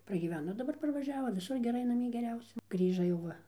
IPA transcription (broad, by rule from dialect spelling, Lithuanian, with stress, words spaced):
prɐɡʲiːˈʋʲæːnoː dɐˈbɐr pɐrʋɐˈʒʲæːʋoː ʋʲɪˈsʊr ɡʲɛˈrɐɪ nɐˈmʲiɛ ɡʲɛˈrʲɛʊsʲɛ ˈɡrʲiːʒɐ jɛʊ ˈʋɐ